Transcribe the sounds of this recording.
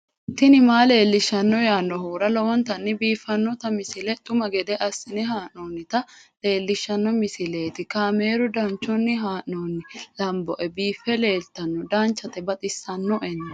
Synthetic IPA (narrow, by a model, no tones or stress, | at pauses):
t̪ɪnɪmaːle̞ːlːɪʃːɐnːɔjaːnːɔɦuːɾɐlɔwɔnt̪ɐnːɪbiːfːɐnːɔt̪ɐmɪsɪlɛt̪ʼʊmɐɡɛd̪ɛʔɐsːɪnɛɦaːʔnoːnːɪt̪ɐle̞ːlːɪʃːɐnːɔmɪsɪle̞ːt̪ɪkaːme̞ːɾʊd̪ɐnt͡ʃːɔnːɪɦaːʔnoːnːɪlɐmbɔʔɛbiːfːɛle̞ːlt̪ɐnːɔd̪aːnt͡ʃːɐt̪ɛbɐt̪ʼɪsːɐnːɔʔɛnːɐ